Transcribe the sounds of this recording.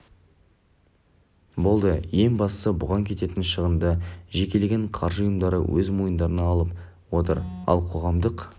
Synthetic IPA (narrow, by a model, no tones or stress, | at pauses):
bo̞lˠd̪əje̞ŋbɑst̪ə̥səbʊʁɑŋkʲʰe̞t̪e̞t̪ɪnʃəʁənd̪əʒe̞kʲe̞leɡʲeɴqʰɑɾʒəʊjəmd̪ɑɾə̰wɵzmojənd̪ɑɾənɑːlˠəp | wo̞t̪ə̰ɾɑ̰lˠqʰo̞ʁɑmd̪əq